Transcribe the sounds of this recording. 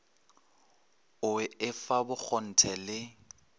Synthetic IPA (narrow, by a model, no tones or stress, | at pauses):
ʊɪɪfabʊk͡xʰɔn̩tʰɛlɪ